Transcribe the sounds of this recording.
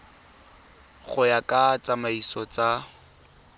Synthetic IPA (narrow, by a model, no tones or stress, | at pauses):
χʊjakʼat͡sʼamaisɔt͡sa